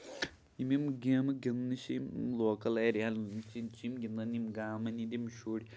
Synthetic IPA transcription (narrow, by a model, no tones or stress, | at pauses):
imimɡeːmɨɡinːɨɕimloːkɐleːɾjaːlt͡ʃint͡ʃimɡʲinːɐnimɡaːmɐnidʲimʃuːɽi